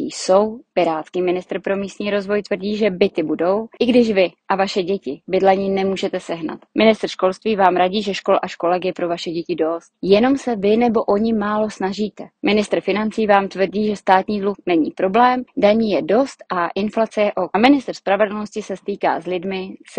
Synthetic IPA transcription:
ḭso̞wpɪɾaːt̪skiːmɪnɪst̪r̩pɾo̞miːst̪ɲiːɾo̞zvo̞jt̪vr̩ɟiːʒɛbɪt̪ɪbudo̞wʔɪɡdɪʃvɪʔavaʃɛɟɛcɪbɪdlɛɲiːnɛmuːʒɛt̪ɛsɛɦna̰t̪mɪnɪst̪r̩ʃko̞lst̪viːvaːmɾaɟiːʒɛʃko̞lʔaʃko̞lɛɡjɛpɾo̞vaʃɛɟɛcɪdo̞st̪̚jɛno̞msɛvɪnɛbo̞ʔo̞ɲɪmaːlo̞snaʒiːt̪ɛmɪnɪst̪r̩fɪnant͡siːvaːmt̪vr̩ɟiːʒɛst̪aːt̪ɲiːdluxnɛɲḭːpɾo̞blɛːmdaɲiːjɛdo̞st̪ʔaʔɪnflat͡sɛjɛʔomɪnɪst̪r̩spɾavɛdl̩no̞scɪsɛst̪iːka̰ːslɪdmɪs

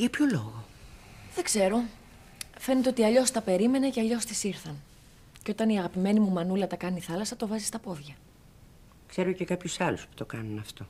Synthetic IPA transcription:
ʝɐpçoloɣoðe̞ɡze̞ɾo̞ | fe̞net̪eot̪iɐʎo̞st̪ɐpe̞ɾime̞ne̞ceɐʎo̞st̪isiɾθɐn | ceo̞t̪ɐniɐɣɐpime̞nimumɐnulɐt̪ɐkɐniθɐlɐsɐt̪o̞vɐzist̪ɐpo̞ðʝɐ | kse̞ɾocekɐpçusɐluspu̥t̪o̞kɐnunɐft̪o̞

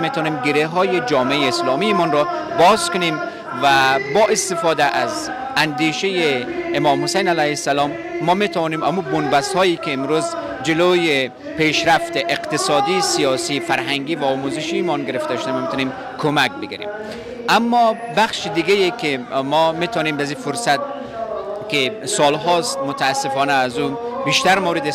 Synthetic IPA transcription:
met̪ʰɔːnimɡeɾeɦɔːjed͡ʒɒːmeejeːslɔːmiːmɔnɾɔ | bɒzkʊnem | væbɒːʔest̪ɪfɔːd̪æʔaz | ænd̪iːʃejeːmɔːmhʊsejnælæjhesːalɔːmː | ɔmet̪ʰavɔːnimæmubonbæst̪hɔːikeːmɾuz | d͡ʒeloːje | peʃɾaft̪eʔeqt̪ɪsɔːd̪isijɒːsiːfæɾɦaŋɡiːvaɔːmuzɪʃimɔnɡeɾeft̪aʃod̪amɔmet̪ɔnim | kʰomæk̚beɡḭɾḭm | ʔamːɔbaχʃid̪iɡejekimɔmet̪ɔːnimazifoɾsat̪̚ | kisɔːlɦɔst̪̚mot̪ʰaːsːefɔːnæːzubiʃt̪æɾmowɾed̪e

